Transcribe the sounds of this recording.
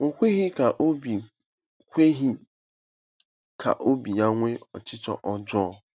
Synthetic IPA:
o˨kʷe˦ɦi˦ka˨ʔo˦bi˨ | kʷe˦ɦi˦ | kʰa̰˨ʔo˦bi˨ja˦ŋʷe˦ɔ̰˨t͡ʃɪ˦t͡ʃɔ̰˨ʔɔ˦d͡ʒɔ˦ɔ˦

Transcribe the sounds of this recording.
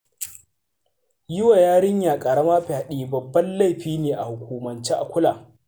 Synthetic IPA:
jʊ˦wa˨jaː˦ɽɪ˦ɲjaː˨kʼɐ˨ɽɐ˦maː˦ɸi˨ha˦ɗiː˦bɐ˨bːɐ˦nla˦˨jɸiː˦neː˨ʔa˨hʊ˨kʷuː˨mɐ˨nt͡ʃeː˦ʔa̰˨kʷʊ˦laː˨

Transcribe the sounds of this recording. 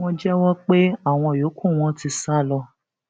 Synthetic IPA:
ɔ̃˧d͡ʒɛ˦wɔ˦k͡pe˦a˦˨w̃ɔ̃˧˨jo˨˦kʰũ˦˨w̃ɔ̃˦ti˧sa˦˨lɔ˧

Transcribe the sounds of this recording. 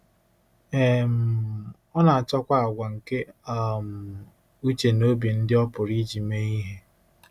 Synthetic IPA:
e˦˨m̩˨ | ɔ˦na˨a˨t͡ʃɔ˦kʷa˦a˨ɡʷa˨ŋ̩˨ke˦a˨m̩˨ | u˦t͡ʃe˨no˦bi˨n̩˦dɪ˦ɔ˦pʊ˨ɾi˦d͡ʒi˨me˦i˦ɦe˦

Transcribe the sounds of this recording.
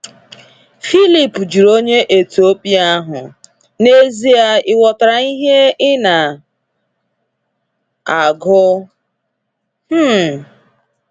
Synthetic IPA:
fi˦li˨pd͡ʒi˨ɾo˦ɲe˦ʔe˨tu˨o˦pi˦a˦ɦʊ˨ | ne˦zi˦a˦ɪ˦wɔ˨ta˨ɾa˨i˦ɦe˦ɪ˦na˨ | a˨ɡʊ˦ | h̩˦

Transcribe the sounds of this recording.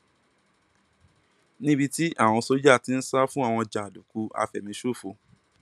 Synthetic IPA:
nĩ˦bi˧ti˦ʔa˦˨w̃ɔ̃˧so˦d͡ʒa˦˨ti˨˦n̩˦sa˦fũ˦a˦˨w̃ɔ̃˧d͡ʒa˨a˨du˨ku˨˧a̰˧fɛ˨mĩ˧˦ʃo˦˨fo˧˨

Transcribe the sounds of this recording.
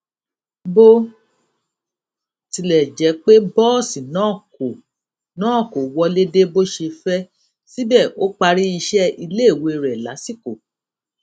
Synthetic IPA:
bo˦ | ti˧lɛ˨d͡ʒɛ˨˦k͡pe˦bɔː˦˨si˨nãː˨˦˨ko˨ | nãː˨˦˨ko˨wɔ˧le˦de˦bo˦ʃe˧fɛ˦ | si˦bɛ˦˨o˦k͡pa˧ɾi˦i˧ʃɛ˦i˧le˦i˦˨we˧ɾɛ˨la̰˨˦si˦ko˦˨

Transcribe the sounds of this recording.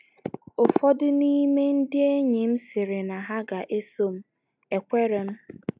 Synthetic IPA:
ʊ˨fɔ˦dʊ˦ni˦me˦n̩˦dɪ˦e˦ɲi˨m̩˦sɪ˨ɾɪ˨na˨ɦa˦ɡa˨ʔe˦so˦m̩˦ | e˨kʷe˦ɾe˨m̩˦

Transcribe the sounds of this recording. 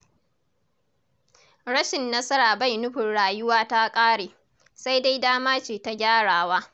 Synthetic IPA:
ɽɐ˦ʃɪ˨nːɐ˦sɐ˦ɾaː˨ba˦˨jnʊ˦ɸɪ˨nɽaː˨jʊ˦waː˦ta˦kʼaː˦ɽeː˨ | sa˦jda˦jdaː˦maː˦t͡ʃeː˨ta˦ɡʲaː˦ɽaː˨waː˦

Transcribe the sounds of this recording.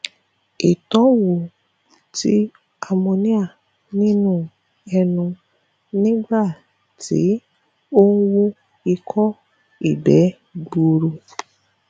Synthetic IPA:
i˨tɔ̃˨˦wo˨ | tḭ˦ | a˧mõ˧nĩ˦a˦˨ | nĩ˦nũ˦ | ɛ˧nũ˧ | nĩ˦ɡ͡ba˦˨ | tḭ˨˦ | o˦n̩˦wo˦ | i˧kʰɔ˦ | i˦˨bɛ˨˦ | ɡ͡bo˨˧ɾo˧

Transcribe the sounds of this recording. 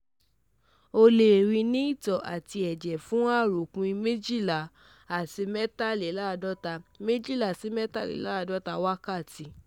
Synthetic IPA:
o˧le˨ɾi˧nĩ˦i˦˨tɔ˨ʔa˨ti˧ɛ˨d͡ʒɛ˨fũ˦˨ɾu˨kũ˧i˧mẽ˦d͡ʒi˦˨la˨ | a˨si˧mɛ˦ta˦˨li˨˦la˦˧dɔ˦ta˧me˦d͡ʒi˦˨la˨si˨˧˦mɛ˦ta˦lḭ˨˦la˦˧dɔ˦ta˧wa˦ka˦˨ti˧

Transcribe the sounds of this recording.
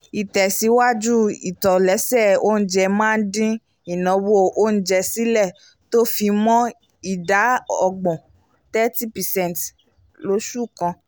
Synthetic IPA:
i˨tɛ˨si˨˦wa˦d͡ʒu˦ḭ˨tɔ˨lɛ˨˦sɛ˦˨o˦n̩˦d͡ʒɛ˧mãː˦˧n̩˦dĩ˦ | i˨nɔ̃˨˧wo˦ʔo˦n̩˦d͡ʒɛ˧si˦lɛ˦˨ | to˦fi˧mɔ̃˦ | i˨da˨˦ɔ˧ɡ͡bɔ̃˨ | tɛ˦ti˦pɛ˨sɛ̃˦n˨t | lo˨˦ʃu˦˨kã˧

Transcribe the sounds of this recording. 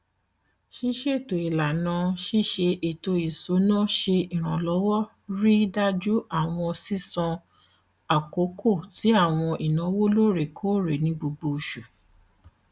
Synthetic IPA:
ʃi˦ʃe˦˨to˨i˨la˨nã˨˧˦ʃi˦ʃe˧ʔe˨to˧i˨su˨˦nã˦ʃe˧i˨ɾ̃ã˨lɔ˨˦wɔ˦ | ɾi˦da˦d͡ʒu˦a˦˨w̃ɔ̃˧si˦˨sã˧ | a˨ko˨˦kʰo˦˨ti˨˦a˦˨w̃ɔ̃˧ʔi˨nã˨˦wo˦lo˦ɾe˦˨kʰo˦ɾe˨nĩ˨˦ɡ͡bo˧ɡ͡bo˧ʃu˨

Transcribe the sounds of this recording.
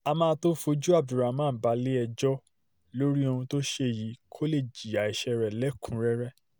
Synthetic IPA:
a˧mãː˧˦to˦fo˧d͡ʒu˦a˦˨b̚du˨ɾa˨˦mãː˦˨ba˨˦le˦ɛ˧d͡ʒɔ˦ | lo˦ɾi˦o˧ũ˧to˦ʃe˧˨ji˨˦kʰo˦le˦˨d͡ʒi˨a˨i˨ʃɛ˧ɾɛ˨lɛ˨˦kʰũ˨˦ɾɛ˦ɾɛ˦

